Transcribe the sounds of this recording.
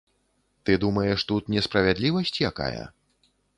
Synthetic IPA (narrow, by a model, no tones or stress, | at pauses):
t̪ɨd̪umɐjɛʂt̪ut̪nʲɛspɾɐvʲad̪lʲivɐsʲt͡sʲjaka̰jɐ̰